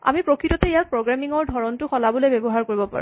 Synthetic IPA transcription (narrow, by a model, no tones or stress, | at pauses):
a̰mipɹokʰɹitɔtɛejak̚pɹoɡɹamiŋɔɹdʱɔɹɔntʊxɔlabɔlebebɔɦaɹkoɹibɔpa̰ɹṵ̃